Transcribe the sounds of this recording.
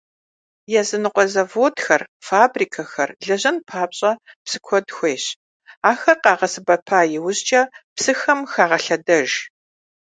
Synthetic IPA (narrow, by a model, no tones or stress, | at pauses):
jɛzɨnɨqʷʼɔzɐvoːtxɐrfaːbriːkʰɐxɐrɮɐʑɐnpʰaːpɕʼɐpsɨ̥kʷʰɔdxʷeːɕ | aːxɐrqɑːʁɐsɨbɐpʰaːjɪwʊɕt͡ʃʼɐpsɨxɐmxaːʁɐɬɐdɐʒ